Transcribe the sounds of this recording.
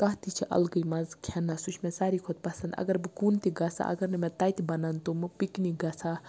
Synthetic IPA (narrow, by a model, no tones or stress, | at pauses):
k̪ɐɦt̪it͡ʃʰiʔɐ̰lɡəjmɐzkʰenasut͡ʃʰmẽsaːɾikʰot̪̚pɐsɐnd̪ɐ̰ɡɐɾbɨkunt̪iɡɐsa̰ʔɐ̰ɡɐɾnɨmet̪aːjt̪ʰibɐnɐnt̪umɨpikniɡɐsʰa